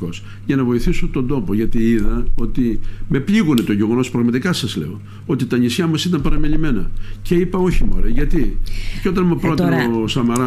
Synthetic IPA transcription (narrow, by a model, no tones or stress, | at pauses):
o̞s | ʝɐnɐvo̞iθisot̪o̞nd̪o̞po̞ʝɐt̪iiðɐo̞t̪ime̞pʎiɣune̞t̪oʝe̞ɣo̞no̞spɾɐɣmɐt̪ikɐsɐzle̞̰o̞ | o̞t̪it̪ɐɲisçɐmɐsit̪ɐmpɐɾɐmeʎime̞nɐce̞ipɐo̞çimo̰ɾeʝɐt̪ieo̞t̪ɐnmupɾot̪ɐosɐmɐɾɐ